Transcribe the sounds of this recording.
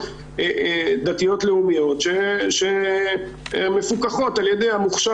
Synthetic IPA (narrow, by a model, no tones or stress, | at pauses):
ed̪at̪ijo̞t̪leumijo̞t̪ʃeʃe | me̞fukaχo̞taljedejamuχʃa